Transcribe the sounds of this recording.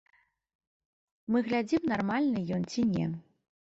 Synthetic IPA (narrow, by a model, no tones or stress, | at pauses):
mɨɣlʲad͡zʲimnarmalʲnɨjɔnt͡sʲinʲɛ̰